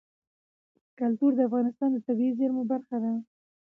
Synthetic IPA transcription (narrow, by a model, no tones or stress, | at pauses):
kalt̪uɾd̪əafɣɑnɪst̪ɑnd̪ət̪abiizeɾmubaɾxad̪a